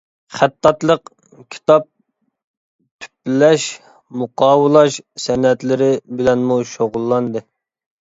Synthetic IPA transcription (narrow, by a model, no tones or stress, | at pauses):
χæt̪ʰːɑt̪lˠəq | kʲʰi̥t̪ɑp̚ | t̪ʰy̥plɛʃ | muqɑːwɨlˠɑʃsɛnɛt̪lɪɾɪbɪlɛnmuʃoʁʊlˠːɑnd̪ɨ